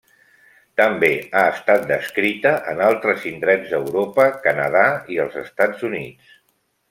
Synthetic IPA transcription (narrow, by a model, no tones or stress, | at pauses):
t̪əmbeaəst̪at̪̚d̪əskɾit̪əʔə̰nalˠt̪ɾəzind̪ɾɛzðəwɾopəkənə̰ð̞aiəlˠzəst̪ad͡zunit͡s